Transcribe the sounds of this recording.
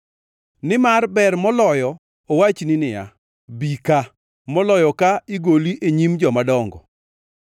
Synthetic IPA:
nɪmarbɛrmɔlɔjɔ | owat͡ʃninɪja̰ | bika | mɔlɔjɔkaiɡoliʔeɲimd͡ʒɔmadɔŋɡɔ

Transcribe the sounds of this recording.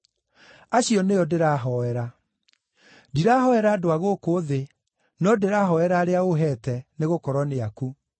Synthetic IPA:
aɕijɔneɔdeɾaɦɔɛɾa | diɾaːhɔɛɾaːdoaɣoːkoːðe | nɔdeɾaɦɔɛɾaːɾeaoɦɛtɛneɣokɔɾɔneaku

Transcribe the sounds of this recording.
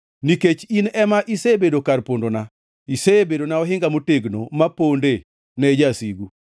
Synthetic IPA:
niket͡ʃinɛmaʔisebedokarpondona | isebedonaɔɦɪŋɡamoteɡno̰maponde | nɛd͡ʒasiɡu

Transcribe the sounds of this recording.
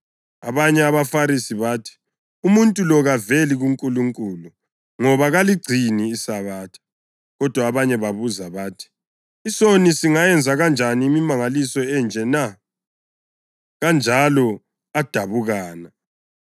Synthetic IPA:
aβaɲɛaβafaɾisiβaːtʰi̥ | umuntʼulɔɣaveliɣuŋkʼuluŋkʼuːlu | ŋɔβaɣaliɡ͡ǀʱiniːsaβaːtʰḁ | ɣɔd̥ʱwaːβaɲɛβaβuzaβaːtʰi̥ | isonisiŋajɛnd͡zʱaɣand͡ʒʱaniːmimaŋalisɔɛnd͡ʒʱɛna | ɣand͡ʒʱalɔ | ad̥ʱaβuɣaːna

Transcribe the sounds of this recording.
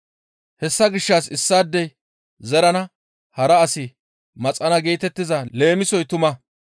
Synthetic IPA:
hɛsːɐɡɪʃːasɪsːaːd̪ːɛj | zɛɾɐnɐ | hɐɾɐːsɪ | mɐt͡sʼɐnɐɡeːt̪ɛt̪ːɪzɐle̞ːmɪsɔjt̪ʊmɐ

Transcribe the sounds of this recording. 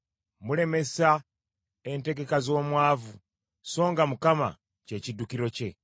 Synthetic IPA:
mule̞me̞sa | ente̞ɡe̞kazo̞ːmwaːvu | so̞ːŋɡamukama̰ | ce̞cidukiɾo̞ce̞

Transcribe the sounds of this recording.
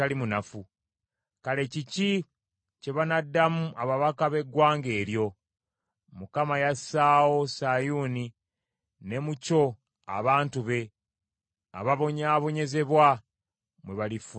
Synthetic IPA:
alimunafu | kale̞cici | ce̞βanadːamuʔaβaβakaβe̞ɡwaːŋɡe̞ːɾjo̞ | mukamajasaːwo̞sajuːni | ne̞muco̞ | a̰βaːntuβe̞ | a̰βaβo̞ɲaβo̞ɲe̞ze̞βwa | mwe̞βalifu

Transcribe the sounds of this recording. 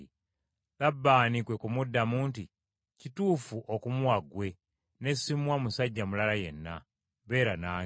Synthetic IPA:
labːaːnikwekumudːamuːnti | cituːfuʔokumuwaɡwe̞ | ne̞simwamusaɟːamulalajḛnːa̰ | βe̞ːɾanaː

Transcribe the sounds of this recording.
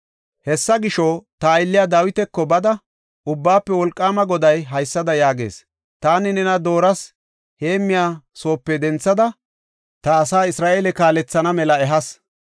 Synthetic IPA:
hɛsːɐɡɪʃɔt̪ɐːjlːɪjaːd̪aːwɪt̪ɛkːɔbɐd̪ɐ | ʔʊbːaːpːɛwɔlkʼːaːmɐɡɔd̪ɐjɦɐjsːɐd̪ɐjaːɡe̞̰ːs | t̪aːnɪnɛnɐd̪o̞ːɾɐs | he̞ːmːɪjaːso̞ːpːɛd̪ɛnt͡sːɐd̪ɐ | t̪ɐːsaːɪsɾaːʔeːlɛkaːlɛt͡sːɐnɐmɛlɐɛɦɐs

